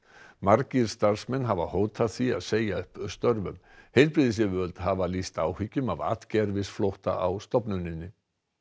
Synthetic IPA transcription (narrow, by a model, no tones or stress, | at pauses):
maɾciɾ̥st̪aɾ̥smɛnɦavahoːwt̪ʰaθvia̰ðseːjaʏhpst̪œɾvʏ̰m | hejlpɾiðɪs̬ɪvœlt̪havalist̪aːwhicːʏmava̰ːt̪cɛɾvɪsflowht̪a̰ʔawst̪ɔpnʏnːɪnːɪ